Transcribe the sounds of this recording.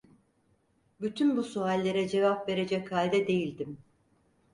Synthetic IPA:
byt̪ʰynbusualʲːeɾɛd͡ʒe̞vapve̞ɾed͡ʒɛchalʲd̪ɛd̪e̞jilʲd̪im

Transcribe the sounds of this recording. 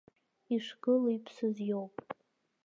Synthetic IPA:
iʂɡɨlaipʰsɨzjowpʼ

